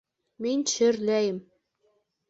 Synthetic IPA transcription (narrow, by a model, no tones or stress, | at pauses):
mɘnʲt͡ɕɘ̆rlæjɘ̆m